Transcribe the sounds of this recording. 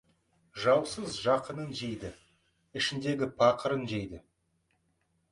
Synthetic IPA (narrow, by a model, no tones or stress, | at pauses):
ʒɑwsəzʒɑqənənʒejd̪ɪ | ɪʃɪnd̪e̞ɡʲɪpʰɑqəɾənʒejd̪ɪ